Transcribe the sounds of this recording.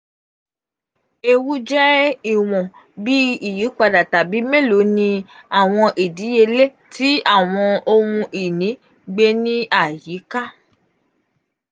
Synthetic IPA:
e˧wu˦d͡ʒɛ˦i˦˨w̃ɔ̃˨ | bi˦i˦˨ji˨˦k͡pa˧da˨ta˨bi˨˦me˦˨lo˨˦nĩ˧a˦˨w̃ɔ̃˧ʔi˨di˨˦je˧le˦ | ti˦a˦˨w̃ɔ̃˧o˧wũ˧ʔi˨nĩ˨˦ | ɡ͡be˧nĩ˦a˦˨ji˨˦ka˦

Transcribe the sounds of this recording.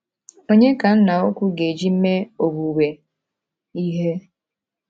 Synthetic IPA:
o˦ɲe˦ka˨n̩˦na˨o˦kʷu˦ɡe˨d͡ʒi˦m̩˦me˦o˨bu˨we˨ | i˦ɦe˦

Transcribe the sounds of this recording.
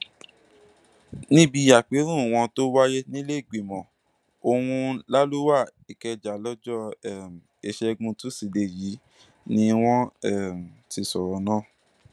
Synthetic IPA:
nĩ˦bi˦˧˦ja˦˨k͡pe˨˦ɾ̃ũ˦˨w̃ɔ̃˧to˦wa˦je˦nĩ˦le˦i˦˨ɡ͡be˨mɔ̃˨ | o˧wũ˧la˦lu˦wa˦˨i˨kɛ˧d͡ʒa˨˦lɔ˦d͡ʒɔ˦ɛ˦˨m̩˨e˧ʃɛ˧ɡũ˧tu˦si˧˨de˨ji˨˦ | nĩ˧w̃ɔ̃˦ɛ˦˨m̩˨ti˧sɔ˨ɾɔ˨˦nãː˦˨

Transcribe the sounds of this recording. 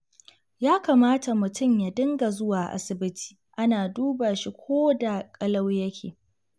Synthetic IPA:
jaː˦kaː˨maː˦ta˨mʊ˨tʊ˦˨mja˨dɪ˦ŋɡa˨zʊ˦waː˨ʔa̰˦sɪ˨bɪ˦tʰi̥ː˨ʔa˦naː˨duː˦baː˨ʃi˦kʷoː˦da˨kʼɐ˦lɐ˦wjɐ˦kʲʰḛː˨

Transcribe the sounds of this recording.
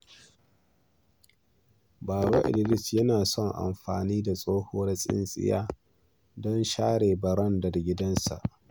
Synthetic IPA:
baː˨ɽo˦ʔɪ̰˨lɪ˦˨lɪ˦sjɐ˦naː˨sɔ˦˨ŋʔa̰˨mɸaː˨niː˦da˨sʼoː˦hoː˦ɽsʼɪ̰˦nsʼɪ̰˦jaː˦ | dɔ˦nʃaː˦ɽeː˨bɐ˨ɾɐ˦ndɐ˨rɡʲɪ˦dɐ˦nsa̰˨ʔ

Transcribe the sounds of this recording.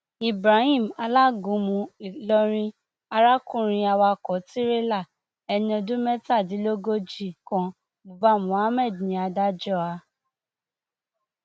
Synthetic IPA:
i˨bɾa˨˦hĩ˦˨m˨a˧la˦ɡũ˨˦mũ˧i˨lɔ˧ɾ̃ĩ˧ | a˧ɾa˦kũ˦˨ɾ̃ĩ˧a˧wa˧kɔ˨˦ti˦ɾe˦la˦˨ | ɛ˧nĩ˦˧ɔ̃˧dũ˦mɛ˦ta˦˨di˨˦lo˦ɡo˦d͡ʒi˦˨kɔ̃˧ | bu˨ba˦˨mũ˨˦a˦mɛ˦˨dnĩ˨˦a˧da˦d͡ʒɔ˦a˧

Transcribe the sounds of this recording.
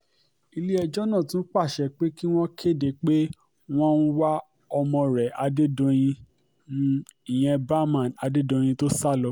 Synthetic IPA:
i˧li˦ɛ˧d͡ʒɔ˦nã˦˨tũ˦n̩˦k͡pa˦˨ʃɛ˧˨k͡pe˦ki˦w̃ɔ̃˦kʰe˦˨de˨˦k͡pe˦ | w̃ɔ̃˦n̩˦wa˦ | ɔ˧mɔ̃˧ɾɛ˨a˧de˦dõ˧j̃ĩ˧ | nũ˧˦ĩ˨j̃ɛ̃˧ba˦mã˦˨na˧de˦dõ˧j̃ĩ˧to˦sa˦˨lɔ˨˦

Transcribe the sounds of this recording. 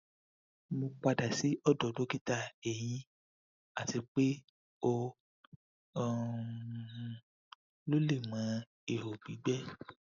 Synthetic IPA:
mõ˧k͡pa˧da˨si˨˦ɔ˦˨dɔ˨do˨˦ki˦ta˦˨ɛ˨j̃ĩ˧ | a˨ti˧k͡pe˦ | o˧˦˨ | lo˦le˦˨mã˨˦ | e˨ho˨bi˨˦ɡ͡bɛ˦

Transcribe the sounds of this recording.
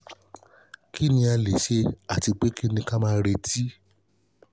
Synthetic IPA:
ki˦nĩ˧˦a˧le˨ʃe˧a˦˨ti˧k͡pe˨˦ki˦nĩ˧ka˦mãː˦˧˦ɾe˧tʰi˦

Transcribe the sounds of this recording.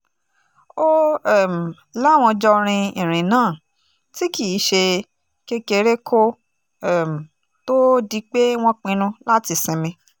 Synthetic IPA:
o˦ɛ˦˨m̩˨ | la˦˨w̃ɔ̃˧d͡ʒɔ˧ɾ̃ĩ˧ĩ˨ɾ̃ĩ˨nãː˨˦˨ | ti˦ki˨˦ʃe˧ | ke˦ke˧˨ɾe˦kʰo˦ | ɛ˦˨m̩˨ | to˦di˧k͡pe˦w̃ɔ̃˦k͡pĩ˧nũ˧la˦ti˧sɛ̃˧mĩ˧

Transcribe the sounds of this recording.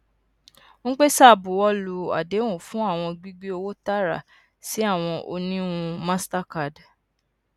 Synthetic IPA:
ñ̩˦k͡pe˦sa˦˨bu˨wɔ˦lu˧˨a̰˨de˨˦wũ˦˨fũ˦a˦˨w̃ɔ̃˧ɡ͡bi˦ɡ͡bi˦o˧wo˦ta˦ɾa̰˦˨ | si˨˦a˦˨w̃ɔ̃˧ʔo̰˧nĩ˦ũ˧mã˦sta˦ka˨d

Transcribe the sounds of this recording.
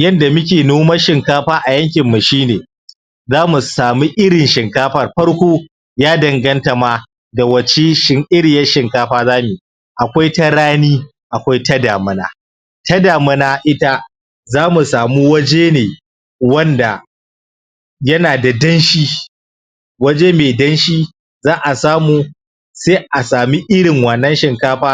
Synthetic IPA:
jɐ˦nda˨mʊ˦kʲeː˨noː˦mɐ˦ʃɪ˨ŋkaː˦ɸaː˦ʔa˨jɐ˦ŋkʲɪ˨mːa˨ʃiː˦neː˨ | zaː˦mu˨saː˨mu˦ʔɪ˦ɽɪ˨nʃɪ˨ŋkaː˦ɸɐ˦˨rɸɐ˦ɽkʷoː˦ | jaː˦dɐ˨ŋɡɐ˦nta˨maː˦ | da˨wɐ˨t͡ʃe˦ʃɪ˨ŋʔɪ˦ɾɪ˨jɐ˦ʃɪ˨ŋkaː˦ɸaː˦zaː˦mi˨ | ʔa˨kʷa˦jtɐ˦ɽaː˦niː˦ | ʔa˨kʷa˦jtɐ˦daː˨mɐ˦na̰ː˦ | tɐ˦daː˨mʊ˦naː˦ʔɪ˦ta˦ | zaː˦mu˨saː˨mu˦wɐ˦d͡ʒeː˦neː˨ | wɐ˦nda˨ | jɐ˦naː˨da˨dɐ˦nʃiː˦ | wɐ˦d͡ʒeː˦meː˨dɐ˦nʃiː˦ | zaː˦ʔa˨saː˦muː˦ | seː˦ʔa˨saː˨mi˦ʔɪ˦ɽɪ˨ŋwɐ˨nːɐ˦nʃɪ˨ŋkaː˦ɸaː˦

